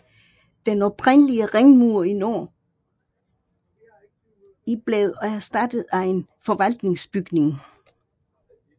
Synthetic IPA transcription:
d̥enɒ̽bʰʁen̰əliəʁeŋmuɐ̰ino̰ː | ib̥leðˠæɐsd̥æd̥əð̩ˠæe̝nfɒ̽ʋæl̰d̥ne̝ŋsb̥yɡ̥ne̝ŋ

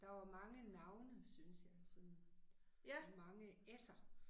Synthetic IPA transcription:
d̥ɑ̈ʋɑ̈mɑ̈ŋənɑ̈ʊnəsynsjɑ̈ɪsɒ̽n | mɑ̈ŋəesɐ

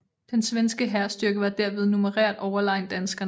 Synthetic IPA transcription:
d̥ensʋensɡ̥əɦæɐsd̥yɐɡ̥əʋɑ̈d̥æɐʋe̝ð̞ˠnuməʁæ̰ɐ̰d̥ɒʊɐlɑ̈ɪ̰nd̥ænsɡ̥ɐn

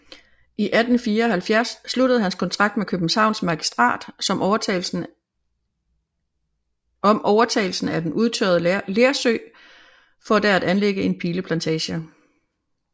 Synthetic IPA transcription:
ʔiʔæd̥n̩fiːɐɒ̽hælfjæɐsːlud̥əð̞̩ˠhænskʰɒ̽nt͡sʰʁɑ̈ɡ̥̚d̥̚mekʰøb̥n̩sɑ̈ʊnsmɑ̈ɡ̥isd̥ʁɑ̰̈ːd̥sɒ̽m | ɒ̽mʔɒʊɐt͡sʰɛ̰ɪl̩sn̩æd̥enʔuð̞ˠt͡sʰø̰ɐð̞̩ˠleɐsø̰ːɪ | fɒ̽d̥ææd̥ænleɡ̥əe̝npʰiːləpʰlænt͡sʰɛːɕə

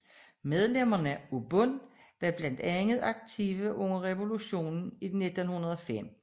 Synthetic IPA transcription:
með̞ˠlem̰ɐnəæub̥ɔn̰ | ʋæb̥læn̰d̥æŋð̞̩ˠɑ̈ɡ̥̚t͡sʰiʋəʔɔŋɐʁɛʋo̝luɕo̝̰ːnn̩id̥ne̝d̥onhunɐð̞ˠɒfem̰

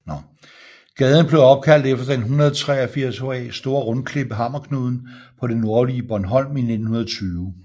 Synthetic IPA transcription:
nɒ | ɡ̥ɛːð̞ˠn̩b̥le̝ʊɒ̽b̥̚kʰæl̰d̥efd̥ɐd̥enɦunʁɐð̞̩ˠt͡sʰʁɛ̰ːɐfiɐ̰soɛ̰ːsd̥o̝ːɐʁɔ̽nkʰle̝b̥əɦɑ̈m̰ɐkʰnoðˠn̩pʰɒ̽ɾenːo̝ɐliəb̥ɒnɦɒ̽l̰mine̝d̥n̩hunɐðˠt͡sʰyːʊ

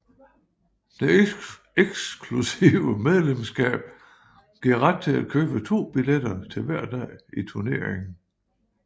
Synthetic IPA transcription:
d̥e̝ | eɡ̥skʰlusiʊʊəmeðˠlemsɡ̥ɛ̰ːb̥ | ɡ̥iɐ̰ʁad̥̚t͡sʰe̝æ̥kʰøːb̥ət͡sʰo̝̰ːb̥iled̥ɐt͡sʰe̝lʋæɐ̰d̥ɛ̰ɪ̰it͡sʰuɐne̝̰ɐ̰eŋn̩

